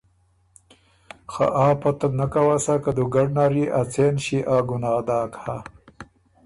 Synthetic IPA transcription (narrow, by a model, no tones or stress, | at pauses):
xa̰ʔaːpɐt̪ɐnakawasakad̪uɡaɖnaɾiʔat͡seːnɕiʔaːɡunaːd̪aːkha